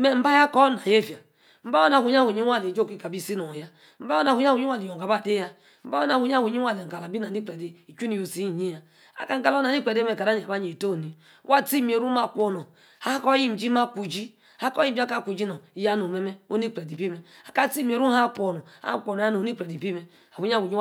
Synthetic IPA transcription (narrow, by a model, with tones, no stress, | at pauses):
me˨m̩˦ba˦ja˦kɔ˦na˨je˦˨fa˨ | m̩˦ba˦o˦na˨hu˨˦a˦hu˨ɲi˦a˦li˨d͡ʒo˦ki˦ka˨bi˦˨si˦no˨ja˦ | m̩˦ba˦o˦na˨hu˨˦˨u˨ɲi˦a˦˨li˨jo˨ka˨ba˦˨de˦ja˦ | m̩˦ba˦o˦na˨u˨˦a˦˨wu˨ɲi˦a˦le˨ŋ̩˨ka˨la˨bi˦na˨ni˦k͡pɾe˨de˨˦i˨t͡ʃu˦ni˨jo˨si˦˨ɲi˦ja˨ | a̰˨ka˦ŋ̩˦ka˦lna˨ni˦k͡pe˨de˦me˨ka˨da˦ɲi˨a˨ba˦ɲ˨e˨to˦˨ni˨˦ | wa˦ti˦m˨e˨ɾu˦ma˦˨kʷo˦no˨ | ha˦kɔ˦ji˦m̩˨d͡ʒi˦ma˦ku˨d͡ʒi˦ | a˦ko˦ji˦m˦d͡ʒi˦ka˦˨ku˨d͡ʒi˦no˨ja˦no˨me˦me˦o˦ni˦k͡pɾe˨di˨bi˦me˨a˨ka˦ti˦m˨e˨ɾu˦a˦ko˨no˨a̰˦kʷo˨no˨ja˦no˨˦i˦k͡pɾe˨di˨bi˦me˦ | a˨hu˨˦ɲ˦a˦hu˨ɲi˦